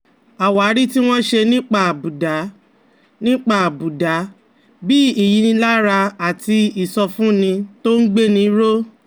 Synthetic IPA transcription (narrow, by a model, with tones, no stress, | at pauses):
a˨wa˨˦ɾi˦ti˦w̃ɔ̃˦ʃe˧nĩ˦k͡pa˦˨bu˨da˨˦ | nĩ˦k͡pa˦˨bu˨da˨˦ | bi˦i˨ji˨˧nĩ˧la˦ɾa˧a˨ti˧i˨sɔ˧fũ˦nĩ˧to˦n̩˦ɡ͡be˦nĩ˧˦ɾo˦